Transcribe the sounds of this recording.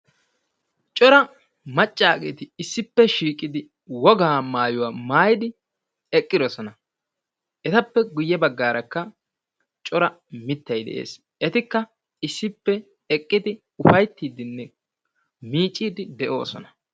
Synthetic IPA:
t͡ʃʼɔɾɐ | mɐt͡ʃʼːaːɡḛːt̪ɪɪsːɪpːɛʃiːkʼɪd̪ɪ | wɔɡaːmaːjʊwamaːjɪd̪ɪ | ɛkʼːɪd̪ɔsɔnɐ | ʔɛt̪ɐpːɛɡʊjːɛbɐɡːaːɾɐkːɐ | t͡ʃʼɔɾɐ | mɪt̪ːɐjd̪ɛ̰ʔḛːs | ɛt̪ɪkːɐ | ɪsːɪpːɛ | ɛkʼːɪd̪ɪ | ʊfɐjt̪ːiːd̪ɪnːɛ | miːt͡ʃʼːiːd̪ɪd̪ɛʔo̞ːsɔ̰nɐ̥

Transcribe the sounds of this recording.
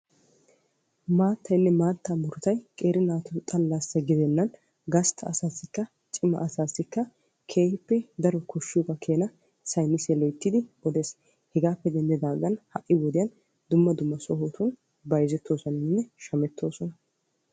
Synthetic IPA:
maːt̪ʰːɐjnːɛmaːt̪ːamʊɾʊt̪ɐjkʼe̞ːɾɪnaːt̪ʊt̪ʼɐlːasːɐɡɪd̪ɛnːɐn | ɡɐst̪ʰɐːsaːsːɪkːɐ | t͡ʃʼɪmɐ̰ʔɐsaːsːɪkːɐ | kʰe̞ːhɪpːɛd̪ɐɾɔkɔʃːuɡɐkʰe̞ːnɐ | sɐjnːɪsɛlejt̪ːɪd̪ɪɔd̪e̞ːs | hɛɡaːpːɛd̪ɛnd̪ɛd̪aːɡɐnhɐʔːɪwɔd̪ɪjɐn | d̪ʊmːɐd̪ʊmːɐsɔhoːt̪ʊn | bɐjzɛt̪ːo̞ːsɔnɪnːɛʃɐmɛt̪ːo̞ːsɔnɐ

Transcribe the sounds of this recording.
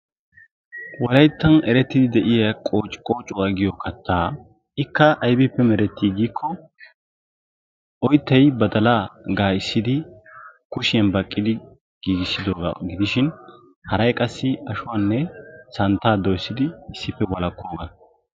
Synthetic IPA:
wɔlɐjt̪ːɐnɛɾɛt̪ːɪd̪ɪd̪ɛʔɪjɐkʼoːt͡ʃʼːɪ̥kʼo̞ːt͡ʃʼʊwaɡɪjɔkʰɐt̪ʰːaː | ɪkːɐʔːjbɪpːɛmɛɾɛt̪ːiːɡiːkʰːɔ | ʔɔjt̪ːɐjbɐd̪ɐlaɡaːɪsːɪd̪ɪkʊʃɪɐnbɐkʼːɪd̪ɪ | ɡ̥iːɡɪsːɪd̪o̞ːɡɐ̰ɡɪd̪ɪʃɪn | hɐɾɐjkʼɐsːɪɐʃʊwanːɛsɐnt̪ːaːd̪ɔjsːɪd̪ɪɪsːɪpːɛwɐlɐkʰːoːɡɐ

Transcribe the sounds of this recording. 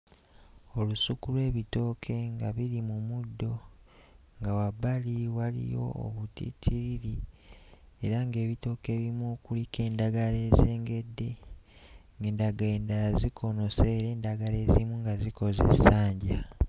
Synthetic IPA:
o̞lusukulwe̞ːβito̞ːkʰe̞ŋɡaβiɾimumudːo̞ | ŋɡawaβaliwalḭjo̞̰o̰βutḭtʰiɾiɾi | eɾaŋɡe̞ːβito̞ːke̞βimukulike̞ːndaɡale̞ːze̞ːŋɡe̞dːe̞ | ŋɡendaɡendazikʰo̞no̞seːɾeːndaɡale̞zimuŋɡaziko̞zḛsaːɲɟa

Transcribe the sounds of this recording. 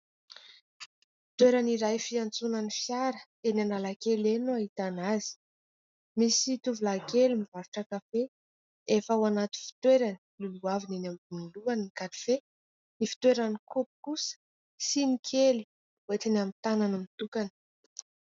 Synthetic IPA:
fi̥t̪weɾaniɾajfiant͡sunanifjaɾə | enanalakelenoaɦit̪anazi̥ | misit̪uvulakelimivaɾuʈ͡ʂakafe | efəwanat̪i̥fi̥t̪weɾani̥luluavinenambunuluanikaɾife | nifi̥t̪weɾanikupu̥kusə̥ | sinikʰeli | wet͡sinamit̪ananumit̪ukanə̥

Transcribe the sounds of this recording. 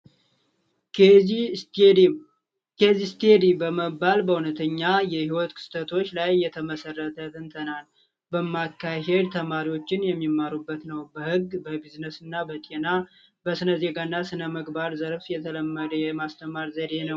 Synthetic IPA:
kʰəzist̪ʰed̪ibəməbalbəhunət̪ʰəɲːajɛhiwɔt̪kʰɨ̥st̪ʰət̪ʰo̞t͡ʃːlajːɛt̪ʰəməsərːət̪ʰət̪ʰɨnt̪ʰənal | bəmːakːaɦe̞d̪t̪ʰəmaɾiwo̞t͡ʃːɪnjɛmːimːaɾubːət̪nəwbəhɨɡbəbiznəsɨnːabət̪ʼena | bəsɨnəze̞ɡanːasɨnəməɡbaɾzəɾfjɛt̪ʰələmːəd̪əjɛmast̪ʰəmaɾzəd̪e̞nəw

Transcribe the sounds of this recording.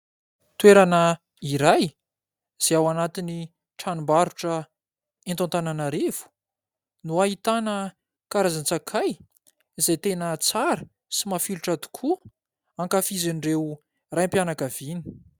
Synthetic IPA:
t̪weɾanə | iɾaj | z̥eawanat̪ini | ʈ͡ʂanumbaɾuʈ͡ʂə | ent̪ont̪ananaɾev̥u̥ | nuaɦit̪anə | kaɾazant͡sakʰaj | izajt̪enət͡saɾə | simafiluʈ͡ʂad̪u̥kʰu | aŋkafizinrew | rajmpjanakav̥ini̥

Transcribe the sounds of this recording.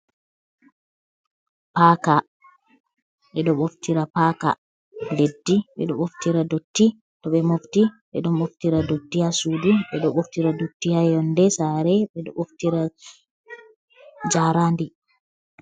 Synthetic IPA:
paːka | ɓɛɗɔɓoftiɾapaːka̰ | ledːiɓɛ̰ɗɔɓoftiɾadotːi | tɔɓɛmoftiɓɛ̰ɗɔmɓoftiɾadotːiasudiɓɛɗɔɓoftiɾadotːihajɔndɛsaɾɛɓɛɗɔ̰oftiɾa | d͡ʒaɾaːndi

